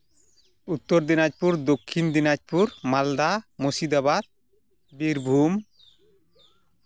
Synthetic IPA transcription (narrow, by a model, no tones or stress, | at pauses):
ut̪ːoɾd̪inad͡ʑpuɾd̪okʰːind̪inad͡ʑpuɾmald̪amosid̪abad̪̚ | biɾbʱum